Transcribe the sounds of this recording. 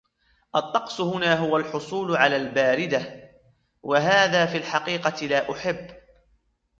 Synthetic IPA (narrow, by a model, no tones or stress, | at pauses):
ʔɑt̪ˤːɑqsˤhʊnaːɦʊwalħʊsˤuːlʊʕalaːlbaːɾɪd̪a | waɦaːðaːfiːlħɑqiːqɑt̪ɪlaːʔʊħɪbː